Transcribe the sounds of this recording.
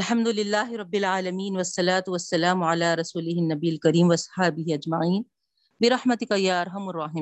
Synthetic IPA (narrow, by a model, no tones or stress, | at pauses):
alħɐmd̪ʊlɪlːaːɦɪɾˤɑbːɪlʕaːlɐmiːnwɐsˤːɑlaːt̪ʊwɐsːɐlaːmʊʕalaːɾˤɑsuːlɪɦɪnːɐbijːalkɐɾiːmwɐsˤħaːbɪɦiɐd͡ʒmaʕiːn | bɪɾˤɑħmɐt̪ɪkajaːʔɑɾˤɦɐmarˤːɑːħɪmː